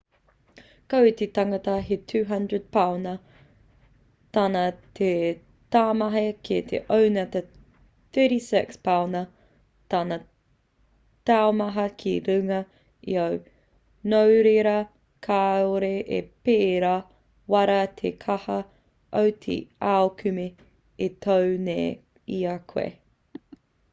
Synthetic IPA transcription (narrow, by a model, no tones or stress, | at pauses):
kowt̪etɐŋɐtɐɦetʰʉːɦɐndɹəd̚pʰawnɐ | taːnɐtʰe | taːmɐɦekiɐtʰḛʔownɐt̪ɐ | θəɾisɪkspawnɐ | taːnɐ | taomɐɦɐkʰiɾʉŋɐ | ḭɐw | nowɾeɾɐ | kʰaoɾeʔḛpeːɾa | wɐɾɐtʰekʰɐhɐ | ʔowt̪ʰḛaokʰʉme | etʰowne | iɐkʰwḛ